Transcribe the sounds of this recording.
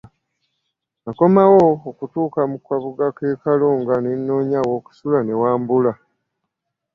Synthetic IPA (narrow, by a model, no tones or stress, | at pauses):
ako̞mawoːkutuːkamukwaβuɡakeːkaloŋɡanenːo̞ːɲawo̞ːku̥sulane̞waːmbula